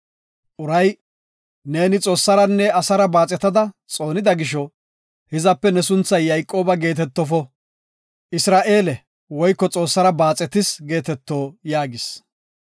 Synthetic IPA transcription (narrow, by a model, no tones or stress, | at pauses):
ʔʊɾɐj | ne̞ːnɪt͡sʼo̞ːsːɐɾɐnːɛɐsɐɾɐbaːt͡sʼɛt̪ːɐd̪ɐt͡sʼo̞ːnɪd̪ɐɡɪʃ̬ɔ | hɪzɐpːɛnɛs̬ʊnt͡sːɐjːɐjkʼːo̞ːbɐɡe̞ːt̪ɛt̪ːɔfɔ | ʔɪsɾaːʔe̞ːlɛ | wɔjkːɔt͡sʼo̞ːsːɐɾɐbaːt͡sʼɛt̪ɪsɡe̞ːt̪ɛt̪ːo̞ːjaːɡɪs